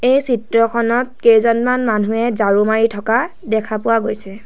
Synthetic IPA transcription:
ejsitɹɔkʰɔnɔt̚kejzɔnmanmanuɛzaɹumaɹitʰɔka | dɛkʰapʊwaɡojsɛ

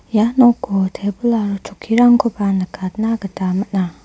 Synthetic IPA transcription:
janɔkːot̪ʰebulaɾt͡ʃʰukʰːiɾaŋkʰopanəkat̪naɡətamət̚na

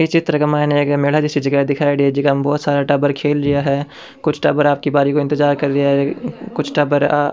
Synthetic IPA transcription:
it͡ʃɪt̪ɾəkamaːneɡmeːlad͡ʒɪsid͡ʒɐɡad̪ɪkʰaːeɽied͡ʒikambɔːt̪saːɾaʈaːbəɾkʰeːlɾɪjaɦɛː | kʊt͡ʃʰʈɐːbəɾaːp̚kibaːɾikoɪ̃nt̪ɪzaːɾkɐɾd̪ijaɦɛkʊt͡ʃʰʈɐbəɾa

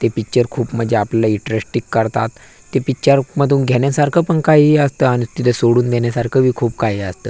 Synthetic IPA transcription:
t̪epik̚t͡ɕəɾkʰuːpm̤əd͡ʑʱeaplalaiʈɾesʈikːəɾt̪a̰t̪ː | epik̚t͡ɕəɾməd̪ʱuːnɡʱjɛɳjasaɾkʰəpəɳkaɦiəst̪əañit̪it̪ʰəsoɽuːnd̪enjasaɾkʰəʋiːkʰuːpkaɦiəst̪əː

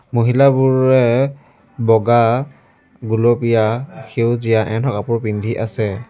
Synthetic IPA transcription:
muɦilabʊɹɛ | bɔɡa | ɡulɔpijaxewzijaʔɛntʰɔkapʊɹpindʱiʔasɛ

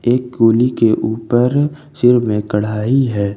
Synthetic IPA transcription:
eːkɡoːlikeʔuːpəɾ | sɪɾmẽkɐɽ̤aːiɦɛː

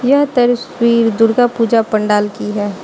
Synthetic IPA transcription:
jɐɦt̪ɐɾswiːɾd̪ʊɽɡapuːd͡ʒapɐɳɖaːlkiɦɛː

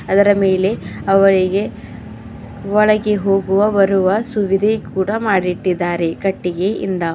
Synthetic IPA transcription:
ɐd̪ɐɾɐmeːle̞ɐʋɐɭiɡe̞ | ʋɔɭɐɡeɦo̞ːɡuʋɐbɐɾuʋɐsuʋid̪ʱekuːɽɐmaːɽiʈːid̪ːaːɾe̞kɐʈːiɡe̞ḭnd̪ɐ

